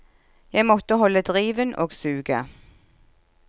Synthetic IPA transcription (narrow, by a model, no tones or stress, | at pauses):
jæɪmɔt̪əɦɔlːəd̪ʁiːʋənʔoːɡsʉːɡə̰